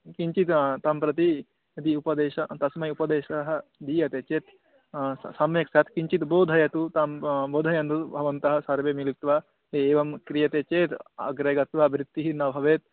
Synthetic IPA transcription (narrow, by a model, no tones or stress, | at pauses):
kiɲt͡ʃit̪t̪ɐmpɾɐt̪̬i | ɐd̪iupɐd̪eːʃɐt̪ɐsmɐjupɐd̪eːʃɐɦɐd̪iːjɐt̪eːt͡ʃeːt̪ | sɐmjɐksɐt̪kiɲt͡ʃit̪boːd̪ʱɐjɐt̪ut̪amboːd̪ʱɐjɐnd̪ubʱɐʋɐnt̪ɐɦɐsɐɾʋeːmilikt̪ʋa | eeːʋɐmkɾijɐt̪eːt͡ʃeːt̪ɐ̰ɡɾɐɡɐt̪ʋɐbɾit̪ːiɦinɐʋʱɐʋeːt̪̚